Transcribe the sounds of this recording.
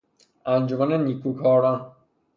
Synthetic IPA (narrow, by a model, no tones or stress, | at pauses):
ænd͡ʒomaneniːkʰuːkʰɒːɾan